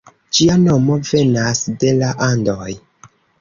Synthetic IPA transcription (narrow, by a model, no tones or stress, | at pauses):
d͡ʒiano̞mo̞ve̞nasde̞laʔandoj